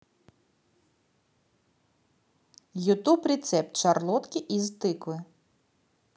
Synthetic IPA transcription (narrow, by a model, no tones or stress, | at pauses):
jʊt̪ubrʲet̪sɛp̚t̪t͡ʃɐrlˠɔt̪kʲiʔizt̪ɪklˠɪ